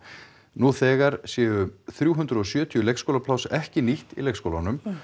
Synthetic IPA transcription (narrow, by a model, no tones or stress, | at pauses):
nuθɛːɣaɾsjɛːʏθɾjuːɦʏnt̪ɾʏɔsjœːt̪ʰijʏlejkskowlapʰlawsɛhcɪniht̪ḭlejkskowlanʏm